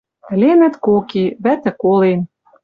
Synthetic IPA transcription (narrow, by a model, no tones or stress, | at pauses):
ɘ̆lʲenɘ̆t̪kokiβæt̪ɘ̆kolen